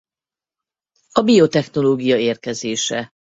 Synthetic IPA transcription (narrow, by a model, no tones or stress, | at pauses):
ɒbiot̪ɛxno̞loːɡijɒeːrkɛzeːʃɛ